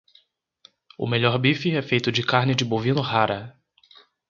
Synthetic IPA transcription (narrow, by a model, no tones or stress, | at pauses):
ʊ̰meʎɔɾbifɪɛfejt̪ʊd͡ʒɪkaɾnɪd͡ʒɪbovĩnʊɦaɾɐ